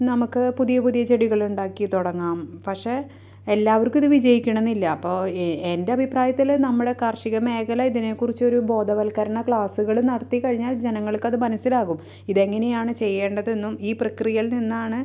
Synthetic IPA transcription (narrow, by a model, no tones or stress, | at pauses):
nɐmukːɨpuðijɐpuðijɐt͡ɕe̞ɽiɣɐɭuɳɖaːkːit̪uɽɐŋːaːmpɐkʂe̞ | elːaːʋɐrkumiðɨʋid͡ʑɐjikʲːuɳ̃enːilːɐːpːo̞ːende̞ɐbʱipraːjɐt̪ːilnɐmːuɽe̞kɐrʂiɣɐme̞ːkɐlɐiðine̞kːurit͡ɕːo̞ɾubo̞ːd̪ʱɐʋɐlkɐɾɐɳɐkɭaːsuɣɐɭunɐɽɐt̪ːikɐɻiɲːaːld͡ʑe̞nɐŋːɐɭkːɐðɨmɐnɐsilaːɣum | iðeŋːɐne̞jaːɳɨt͡ɕe̞jːe̞ːɳɖɐðe̞nːumiːprɐkrijɐlninːaːɳɨ